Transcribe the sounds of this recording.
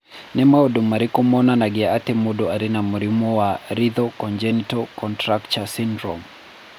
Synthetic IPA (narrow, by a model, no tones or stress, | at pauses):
nɛmaɔɗumaɾikumɔnanaɡɛatimuɗɔaɾinamuɾimuwaɾiðɔkɔnd͡ʒɛnitɔkɔntɾakt͡ʃasindɾɔ̰m